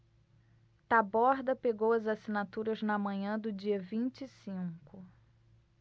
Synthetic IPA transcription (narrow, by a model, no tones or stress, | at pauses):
t̪abɔɾd̪ɐpeɡowɐzasinat̪uɾɐznɐmɐ̃ɲɐ̃d̪ʊd͡ʒiɐvĩnt͡ʃisĩkʊ